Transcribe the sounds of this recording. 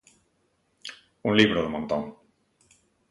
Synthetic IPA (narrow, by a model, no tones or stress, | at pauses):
uŋliβɾoðemõnt̪õŋ